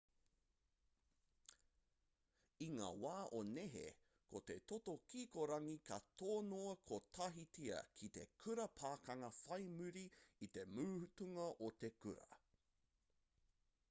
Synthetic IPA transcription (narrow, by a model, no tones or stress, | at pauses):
iŋa̰ːwaːʔoneɦḛ | kʰot̪e̞t̪ot̪okiːkoɾɐŋikɐt̪ʰoːnoɐkʰot̪ʰɐɦitiɐ̰kʰit̪ekʰʉɾɐpʰaːkɐŋɐfɐjmʉɾiit̪e̞mʉːhʉtuŋɐʔot̪e̞kʉɾɐ̰